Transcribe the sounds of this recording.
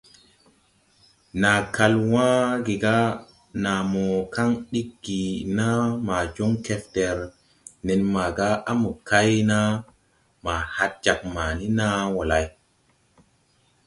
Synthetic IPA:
na˨ka˧lwã˦ɡi˨ɡa˦ | na˨mo˨ka˦ŋɗi˦kɡi˨na˦ma˨d͡ʒo˦ŋke˦fte˨ɾ | ne˨nma˨ɡa˦a˦mu˨ka˦jna˦ | ma˨ha˦t̚d͡ʒa˨k̚ma˨ni˦na˦wo˨la˨j

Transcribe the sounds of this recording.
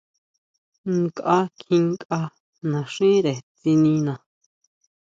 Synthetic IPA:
ŋ˦kʼʔa˧kʰĩ˧ŋ˦kʼʔa˧ | nã˨ʂĩ˦ɾe˨t͡si˧nĩ˧nã˨

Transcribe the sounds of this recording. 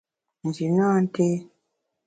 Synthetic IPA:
n̩˨d͡ʒi˨nã˦˨n˦te˦

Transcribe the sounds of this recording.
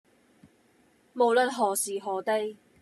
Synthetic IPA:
mo˨˧wlə˥t̚ɦɔː˨siː˨ɦɔː˨t̪e˥j

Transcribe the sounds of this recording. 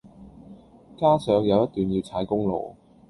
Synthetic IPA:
kaː˥sœː˨˥ŋjɐ˨˧wjɐ˥t̪̚yː˨njiː˧wt͡sʰaː˨˥jkʊ˥ŋlo̰˨w

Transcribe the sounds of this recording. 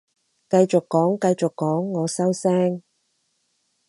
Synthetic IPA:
kɐ˧jt͡sʊ˨kːɔː˨˥ŋkɐ˧jt͡sʊ˨kːɔː˨˥ŋːɔː˨˧sɐ˥wsɛː˥ŋ

